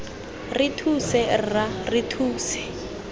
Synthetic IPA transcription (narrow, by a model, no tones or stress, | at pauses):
rɪtʰusɛrɪraritʰuːsɛ̥